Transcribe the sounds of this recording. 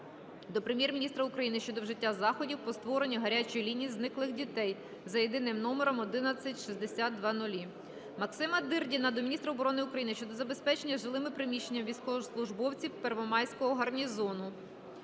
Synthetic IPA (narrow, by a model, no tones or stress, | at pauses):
d̪ɔpɾemjɛrmʲinʲist̪ɾɐʊkɾɐjinɪʃt͡ʃɔd̪ɔwʒɪtʲːazɑxɔdʲiwpɔst̪ʋɔɾenʲːiɦɐɾʲat͡ʃɔjlʲinʲijiznɪklˠɪxdʲit̪ɛj | zɐjed̪ɪnɪmnɔmeɾɔmɔd̪ɪnɐt͡sʲːɐtʲʃizd̪esʲat̪̚d̪ʋɑnʊlʲi | mɐksɪmɐd̪ɪrdʲinɐd̪ɔmʲnʲist̪ɾɐɔbɔɾɔnɪʊkɾɐjinɪʃt͡ʃɔd̪ɔzɐbe̞spɛt͡ʃenʲːɐʒɪlˠɪmɪpɾɪmʲiʃt͡ʃe̞nʲːɐmʋʲijsʲkɔʋɔslˠʊʒbɔwt͡sʲiwperʋɔmɑjsʲkɔɦɔɦɐrnʲizɔnʊ